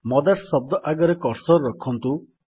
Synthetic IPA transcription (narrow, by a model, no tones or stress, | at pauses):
mɔd̪assɔb̚d̪ɔʔaɡɔɾekɔɾsɔɾːɔkʰɔnt̪u